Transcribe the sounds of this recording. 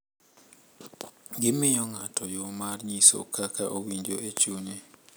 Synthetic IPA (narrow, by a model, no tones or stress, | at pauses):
ɡɪmɪɲɔŋatʰɔjomarɲiso̰kʰakʰaʔowiɲd͡ʒoʔet͡ʃuɲe